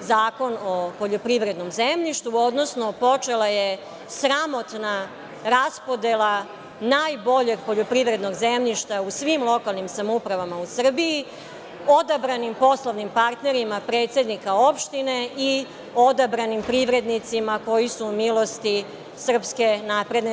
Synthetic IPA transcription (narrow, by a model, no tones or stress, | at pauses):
zaːko̞no̞poʎopɾiʋɾe̞d̪no̞mzemʎiʃt̪uo̞d̪nosnopo̞t͡ʂelaje | sɾamo̞t̪na | ɾaspo̞d̪elˠa | najbo̞ʎeɡ̚po̞ʎopɾiʋɾe̞d̪no̞ɡzemʎiʃt̪ausʋimlˠo̞kalˠnimsamupɾaʋamausr̩biji | o̞d̪abɾanimpo̞slˠoʋnimpaɾt̪ne̞ɾimapɾe̞ːt̪se̞d̪nikao̞pʃt̪ine̞i | od̪abɾanimpɾiʋɾe̞d̪nit̪simako̞jisuːmilo̞st̪i | sr̩pske̞naːpɾe̞d̪ne